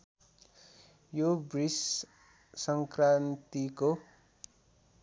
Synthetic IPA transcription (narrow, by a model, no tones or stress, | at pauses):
jobris | sʌŋkrant̪iko